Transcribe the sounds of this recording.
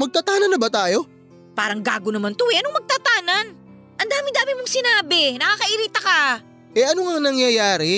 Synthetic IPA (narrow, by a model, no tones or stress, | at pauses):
mɐɡ̚t̪ɐt̪aːnɐnɐbɐt̪aːjo̞ | paːɾɐŋɡa̰ːɡonɐmant̪ʊʔɛʔɐnoŋmɐɡ̚t̪at̪aːnɐn | ʔɐnd̪aːmɪŋd̪aːmɪmoŋsɪnaːbɪnɐkakɐʔɪɾiːt̪ɐkɐ | ʔɛʔɐnoŋɐŋnɐŋjɐjaːɾɪ